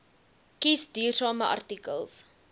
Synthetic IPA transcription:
kisdyːrsɑːməʔɐ̰rtikə̰lˠs

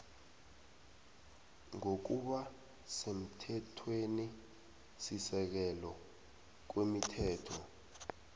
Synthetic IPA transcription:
ŋok̬uɓa | sem̩tʰɛtʰweni | sisɛk̬ɛlɔ | k̬wemitʰɛːtʰɔ

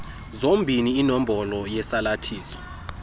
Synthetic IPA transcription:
zombʱiniːnom̩bʱɔlɔjɛsalatʰiːsɔ̥

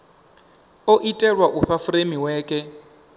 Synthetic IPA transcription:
oʔitʼɛrwaʔuɸafuɾemiwɛːkʼɛ

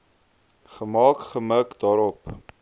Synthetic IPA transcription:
χəmɑːkχəməkdɑːɾɔp

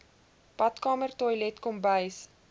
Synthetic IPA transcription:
pɐtkɑːmərtɔjlɛtkɔmbəjs

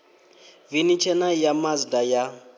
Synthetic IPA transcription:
vinit͡ʃʰɛnajamazidaja

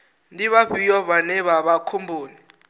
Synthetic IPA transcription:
ndiβavijɔβanɛβaɓakʰombʱoːni

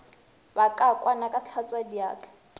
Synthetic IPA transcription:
bakʼakʼwanakʼat͡ɬʰat͡sʼwadia̰ːt͡ɬʰʼḁ

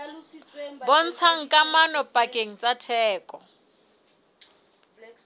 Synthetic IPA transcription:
bon̩t͡sʰaŋ̩kʼamanɔpʼakʼeŋ̩t͡sʼatʰɛːkʼɔ

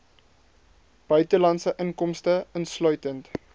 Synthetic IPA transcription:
b̥œɥtəlɐntsəʔəŋkɔmstəənslœɥtənt

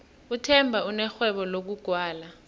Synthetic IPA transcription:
utʰɛmbʱaunɛxwɛɓɔlok̬uɡ̥ʱwaːla

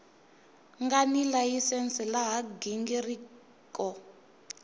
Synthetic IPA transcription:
ŋɡanilajisɛnsilaɦaɡiŋɡiri | kɔ

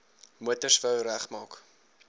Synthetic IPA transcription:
muətərsfəwɾæχmɑːk

